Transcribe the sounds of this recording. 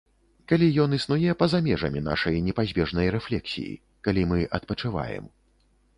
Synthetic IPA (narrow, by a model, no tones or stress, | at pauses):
kalʲijɔnɨsnujɛpɐzamʲɛʐɐ̰mʲin̪a̰ʂɐjnʲɛpazʲbʲɛʐnɐjɾɛflʲɛksʲḭjḭ | kalʲimɨʔɐt̪̚pɐt͡ʂɨva̰jɛ̰m